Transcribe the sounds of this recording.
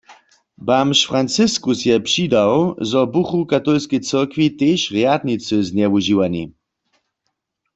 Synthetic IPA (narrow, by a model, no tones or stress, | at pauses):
bamʃfʁant͡sɪskusjɛpʂidawzɔbuxukat̪olskɛjt͡səʁkʋit̪eːʃʁjad̪nit͡sɨznɛwuʒiwanḭ